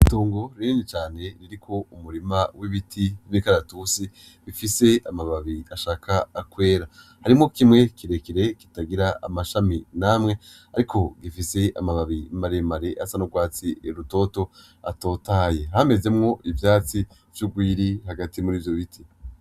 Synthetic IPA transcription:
toːŋɡo̞ɾiniːnit͡ʃaːne̞ɾiɾikʰo̞umuɾimawiβitʰiimikaɾatusi | βifise̞amaβaβiaʃaːkʰaːkwe̞ːɾa | haɾimŋo̞kimŋe̞kiɾe̞kiɾe̞ki̥taɡiɾaa̰maʃaminamŋe̞ | aɾikʰo̞ɡifise̞ʔa̰maβaβimaɾemaɾeʔasanoɡwaːt͡sieɾuto̞ːto̞ | a̰to̞ːtaːje̞hame̞ze̞mŋo̞ʔivjaːt͡si | v̥juɡwiːɾihaɡatimuɾiːvjo̞βitʰi

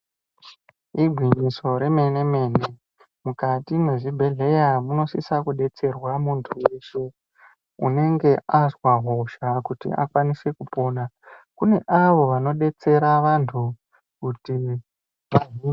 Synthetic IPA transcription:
ibʱwiɲiso̞ɾe̞me̞ne̞me̞ːne | mukatimwe̞ʐibʱe̞ɮe̞jamuno̞sisakuɗe̞t͡se̞rwamuntʰueʃo | ṵne̞ŋɡe̞ʔazwaɦoʃakutḭʔa̰kwanise̞kupo̞ːna | kune̞ʔaʋo̞ʋano̞ɗe̞t͡se̞ɾaʋantʰu | kuti | ʋaɦie

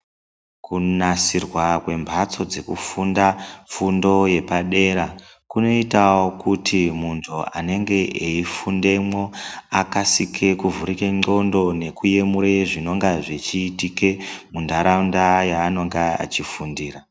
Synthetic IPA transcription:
kunasirwakwe̞mbʱat͡so̞d͡ze̞kufundafundo̞je̞paɗe̞ɾa | kuno̞itawo̞kutʰimuntʰua̰ne̞ŋɡe̞ʔeifunde̞mwo̞akasikʰe̞kuvuɾikeŋ͡ǃo̞ndo̞ne̞kuje̞muɾe̞ʐino̞ŋɡaʐet͡ʃiːtike̞mundaɾaundajaːno̞ŋɡea̰t͡ʃifundiːra

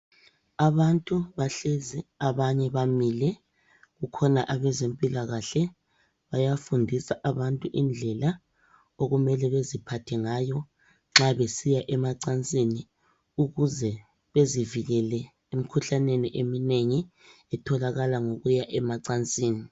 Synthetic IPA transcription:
aβantʼuβaɬeziaβaɲɛβamilɛ | ɣukʰɔnaʔaβɛzempʼilaɣaɬɛ | βajafundʱisaʔaβantʼuʔind͡ɮʱɛla | oɣumɛlɛβezipʰatʰɛŋajɔ | ŋ͡ǁaβesijaʔɛmaǀant͡sʼini | uɣuzɛ | βeziviɣɛlɛ | em̩kʰuɬaneniʔemineŋi | ɛtʰɔlaɣalaŋoɣujaʔɛmaǀant͡sʼiːni

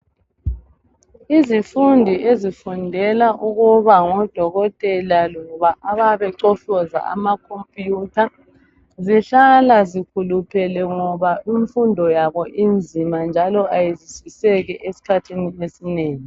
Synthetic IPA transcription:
izifundʱiʔezifundʱɛlaʔuɣuβaŋɔd̥ʱɔɣɔtʼɛlalɔβaʔaβaβɛǀɔɬɔza̰a̰makʰompʼjutʰa | ziɬalazikʰulupʰɛlɛŋɔβaiɱfundʱɔjaβɔʔind͡zʱimand͡ʒʱalɔʔajeziswisɛɣɛʔesi̥kʰatʰiniesineːŋi

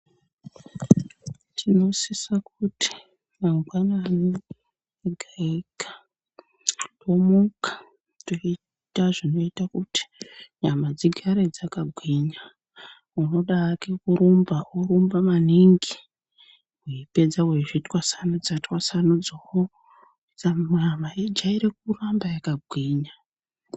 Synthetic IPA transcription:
tʰino̞sisakutʰi̥ | maŋɡwanani | eɡʱaikḁ | do̞mukḁ | toi | taʐino̞itakuti̥ɲamad͡ziɡʱaɾed͡zakaɡʱwiɲa | uno̞ɗakekuɾumbauɾumbamaniŋɡi | weipe̞d͡zaweʐitwasanod͡zatwasanud͡zow | d͡zamwamaed͡ʒaiɾek̚urambajakaɡʱwiɲa

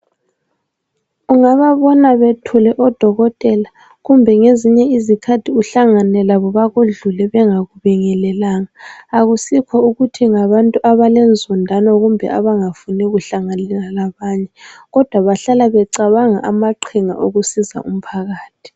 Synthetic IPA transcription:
uŋaβaβɔnaβetʰulɛʔɔd̥ʱɔɣɔtʼɛla | ɣumbʱɛŋeziɲɛizikʰatʰiuɬaŋanɛlaβɔβaɣuɮulɛβɛŋaɣuβɛŋɛlɛlaŋaːɣusikʰɔuɣutʰiŋaβantʼuʔaβalɛnd͡zʱɔndʱanɔɣumbʱɛ̰ʔaβaŋafunɛɣuɬaŋanɛlalaβaːɲɛɣɔd̥ʱwaβaɬalaβɛǀaβaŋa̰ʔamaǃʰiŋa̰ʔoɣusiza̰ʔum̩pʰaɣaːtʰi̥

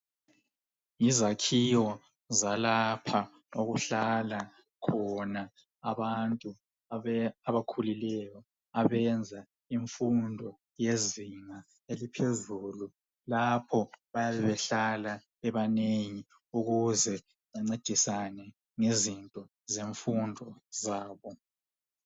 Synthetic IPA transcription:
izakʰijɔ | zalapʰa | oɣuɬala | kʰɔna | aβantʼu | aβakʰulilɛjɔ | aβɛnd͡zʱa | iɱfundʱɔ | jeziŋa | elipʰezuːlu | lapʰɔβajaβɛβɛɬala | ɛβaneŋi | uɣuzɛ | aŋ͡ǀed̥ʱisanɛ | ŋizintʼɔ | zeɱfundʱɔzaːβɔ

